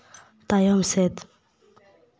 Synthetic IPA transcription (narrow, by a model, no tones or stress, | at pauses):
t̪ajɔmsɛt̪